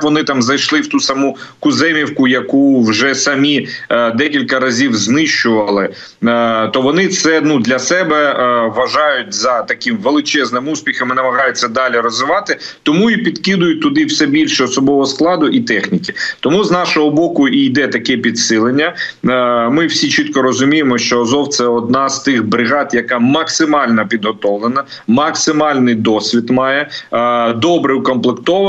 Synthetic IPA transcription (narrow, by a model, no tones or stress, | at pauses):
ʋɔnɪt̪ɑmzɐjʃlˠɪwt̪usɐmukʊzɛmʲiwkʊjɐkuwʒɛsɐmʲid̪ɛkʲilʲkɐɾɐzʲiwznɪʃt͡ʃʊʋɐlˠɪ | t̪ɔʋɔnɪt̪sɛnud̪lʲɐsɛbɛʋɐʒɑjʊt̚ʲzɐt̪ɐkɪmʋelˠɪt͡ʃɛznɪmuspʲixɐmɪnɐmɐɦɑjʊt͡sʲːɐd̪ɑlʲirɔzʋɪʋɑt̪ɪt̪ɔmuipʲid̪kɪd̪ʊjʊt̚ʲt̪ʊd̪ɪwsɛbʲilʲʃɛɔsɔbɔʋɔɔsklˠɑd̪ʊʔit̪ɛxnʲikʲɪt̪ɔmuznɑʃɔɦɔbɔkʊijd̪ɛt̪ɐkɛpʲid̪sɪlˠenʲːɐ | mɪwsʲit͡ʃit̪kɔɾɔzʊmʲijemɔʃt͡ʃɔːzɔwt̪sɛɔd̪nɑst̪ɪxbɾɪɣɑt̪jɐkɑmɐksɪmɑlʲnɐpʲid̪ɦɔt̪ɔwlˠenɐ | mɐksɪmɑlʲnɪjd̪ɔsʲʋʲit̪mɑjɛ | d̪ɔbɾɪwkɔmplˠekt̪ɔʋ